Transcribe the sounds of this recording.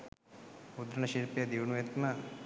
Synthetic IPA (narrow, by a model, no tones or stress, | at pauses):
ud̪ɾɐɳɐʃiɾpjɐd̪iʋɳujet̪mɐ